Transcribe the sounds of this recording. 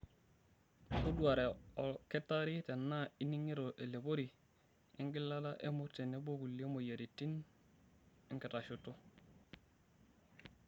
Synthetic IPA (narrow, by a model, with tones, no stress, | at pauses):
ku˦du˦a˨ɾe˨o˨ke˦tːa˦ɾi˦te˨nːa˦i˦ni˦ŋi˦ɾo˨ʔe˨le˨bo˦ɾi˨ | i˦ŋɡi˦lːa˦da˦ʔe˦mu˦ɾte˨ne˦bo˦ɡu˨lːi˦o˦mo˨ja˨ɾi˨tːi˦n | i˦ŋke˨ta˨ʃutu˦